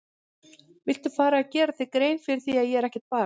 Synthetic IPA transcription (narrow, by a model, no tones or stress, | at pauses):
vɪl̥t̪ʏfaːɾaːcɛːɾaθekɾeːjnfɪɾɪɾ̥θiːaðjɛɛɾɛhcɪ̥t̪̚paːɾ